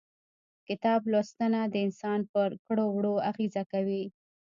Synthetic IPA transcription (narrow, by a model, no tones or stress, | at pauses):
kɪt̪ɑblost̪anad̪əɪnsɑnpəɾkɽowɽoaɣizakawi